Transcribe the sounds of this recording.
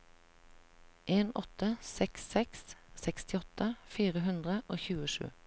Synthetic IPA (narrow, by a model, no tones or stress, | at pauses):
ʔeːnɔt̪əsɛksːɛkssɛkst̪ɪɔt̪əfiːʁəɦʉnd̪ʁəʔoːçʉːəʃʉ̰ː